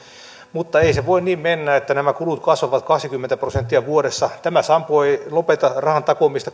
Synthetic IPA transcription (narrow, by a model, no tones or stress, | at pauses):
mut̪ːɑeiseʋoinniːmmenːæet̪ːænæmækulut̪kɑsʋɑʋɑt̪kɑksikymːent̪æprosent̪ːiæʋuoɾesːɑt̪æmæsɑmpoilopet̪ɑrɑhɑnt̪ɑkomist̪ɑ